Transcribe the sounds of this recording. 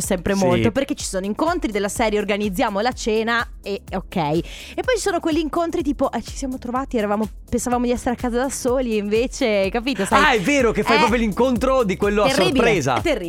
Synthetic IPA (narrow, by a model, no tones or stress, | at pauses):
sɛmpɾemolt̪operket͡ʃːi̥soːnoiŋkont̪ɾid̪elːasɛːɾjeorɡanid̪zːjaːmolat͡ʃeːna | eokːɛj | epːɔjt͡ʃi̥soːnokweʎːiːŋkont̪ɾit̪̬iːpoʔɛt͡ʃi̥sjaːmot̪ɾovaːt̪iɛɾavaːmo | pensavaːmod̪iɛsːeɾeakːaːzad̪asoːlieiɱveːt͡ʃekapiːt̪osaaɛvːeːɾokefajppɾɔːp̬joliŋkont̪ɾod̪ikwelːoaesrːoribipɾeːza̰t̪ːerːi